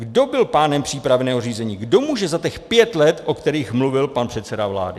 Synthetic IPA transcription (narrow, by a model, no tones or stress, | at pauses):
ɡdo̞bɪlpaːnɛmpr̝̥iːpɾavnɛːɦoriːzɛɲiːɡdo̞muːʒɛzat̪ɛxpjɛt̪lɛt̪ʔo̞kt̪ɛɾiːxmluvɪlpanpr̝̥ɛt̪sɛdavla̰ːdɪ